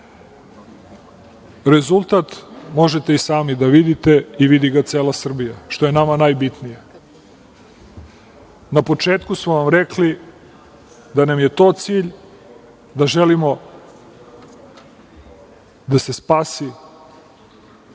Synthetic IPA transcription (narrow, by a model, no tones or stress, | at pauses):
ɾezulˠt̪at̪mo̞ʒet̪eisaːmid̪aʋid̪it̪e̞iʋid̪iɡat̪seːlˠasr̩bijaʃt̪o̞je̞namanajbit̪nije | napo̞t͡ʂe̞ːt̪kusmoʋamɾekli | d̪anamje̞t̪o̞ːt̪siːʎ | d̪aʒelimo̞ | d̪ase̞spaːsi